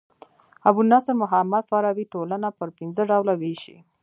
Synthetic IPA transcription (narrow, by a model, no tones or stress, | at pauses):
abunɑsɾmʊɦamad̪faɾɑwiʈolanapəɾpɪnzəɖawlaweʃḭ